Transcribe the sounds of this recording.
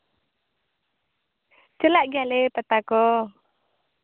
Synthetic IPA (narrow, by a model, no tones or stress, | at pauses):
t͡ʃəlaʔɡalepət̪akɔ